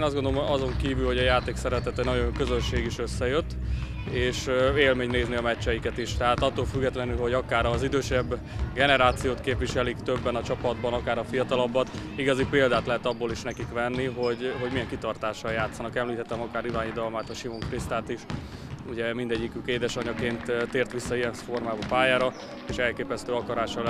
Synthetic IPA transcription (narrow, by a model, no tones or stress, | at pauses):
nɒzɡo̞nd̪oomɒzo̞ŋkiːvylhoɒjaːt̪eːksɛɾɛt̪ɛt̪ɛnɒɟoŋkø̞zø̞nʃeːɡiʃøsːɛjøt̪ː | eːʃeːlmeːɲneːzniɒmɛt͡ʃːɛjikɛt̪iʃt̪ɛɦaːt̪ɒt̪ːolfyɡːɛt̪lɛnylɦo̞ɟɒkaːɾɒzid̪øːʃɛbː | ɡɛnɛɾaːt̪sijoːt̪keːpʋiʃɛlikt̪øbːɛnɒt͡ʃɒpɒd̪bɒnɒkaːɾɒfijɒt̪ɒlɒbːɒt̪iɡɒzipeːld̪aːt̪lɛɦɛt̪ɒbːoːliʃnɛkikʋɛnːiɦo̞ɟɦo̞ɟmijɛŋkit̪ɒrt̪aːʃːɒjjaːt̪sːɒnɒkɛmlit̪ɛt̪ːɛmɒkaːɾivaːɲid̪ɒlmaːt̪ɒʃimoŋfrist̪aːt̪iʃuɟɛmind̪ɛɟːikykeːd̪ɛʃɒɲɒkeːnt̪t̪ːeːrt̪ʋisːɒijɛnfo̞rmaːbɒpaːjaːɾɒ | eːʃɛlkeːpɛst̪øːɒkɒɾaːʃɒ